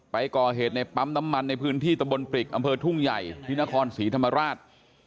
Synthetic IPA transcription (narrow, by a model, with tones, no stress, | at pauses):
pa˧jkɔː˨˩ɦeː˨˩t̪̚na˧jpa˦˥mna˦˥mːa˧nːa˧jpʰɯː˦˥nt̪ʰiː˥˩t̪a˧mbo˧npɾi˨˩k̚ʔa˧mpʰɤː˧t̪ʰu˥˩ŋja˨˩jt̪ʰiː˧na˦˥kʰɔː˧nsiː˩˦t̪ʰa˧mːa˧ɾaː˥˩t̪̚